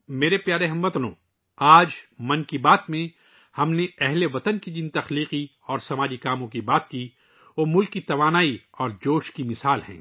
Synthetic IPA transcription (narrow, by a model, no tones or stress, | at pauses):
meːɾepjaːɾeɦɐmːɐt̪nõ̰ː | aːd͡ʒmɐ̃nkibaːt̪mẽ | hɐmneɛɦleʋɐt̪ənkid͡ʒint̪ɐxliːqi | ɔːɾsɐmaːd͡ʒikaːmõkibaːt̪ki | ʋoːmʊlkːit̪ɐʋaːnaːiɔːɾd͡ʒoːʃkimɪsaːlhɛ̰̃ː